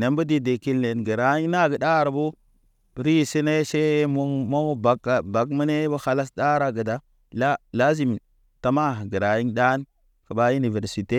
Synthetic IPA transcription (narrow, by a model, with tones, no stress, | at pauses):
ne˨˦mbu˦di˦de˨ki˦lne˨nɡə˨ɾa˨ji˦ŋna˦˨ɡə˨ɗa˦˨ɾa˨bo˦ | ɾi˦˨si˦ne˦ʃe˦mo˦mo˦ba˨˦ka˨ba˨kmə˦ne˦bo˦ha˦la˦sda˦ɾa˨ɡə˨da˦ | la˦la˦zi˦˨m˨ | ta˨ma˦˨ɡə˨ɾa˨ji˦ŋda˦n | kə˨ba˦ju˦ni˨ve˨ɾsi˨te˦